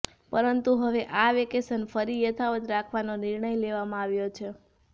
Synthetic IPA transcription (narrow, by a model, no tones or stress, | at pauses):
pəɾənt̪uɦəʋeʔaʋekesənfəɾijət̪ʰaʋət̪ɾakʰʋanonɪɾɳəjleʋamãaʋjot͡ʃʰe